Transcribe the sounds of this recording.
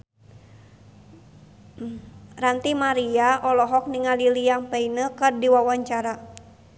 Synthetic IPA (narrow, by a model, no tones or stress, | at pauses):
rant̪imaɾiaʔɔlɔɦɔk̚niŋalilijaŋpeinəkərdiwawaɲt͡ʃaɾa